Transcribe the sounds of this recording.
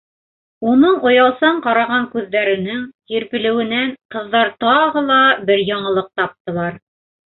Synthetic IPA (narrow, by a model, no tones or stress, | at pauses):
unɤɴŏjɑlˠsɑɴqɑɾɑʁɑŋkʉðːæɾɘ̆nɘŋkiɾpɘ̆lɘ̆wɘ̆næŋqɤ̆ðːɑɾt̪ɑʁɤlˠɑbɘɾjɑɴɤ̆lˠɤq̚t̪ɑp̚t̪ɤ̆lˠɑɾ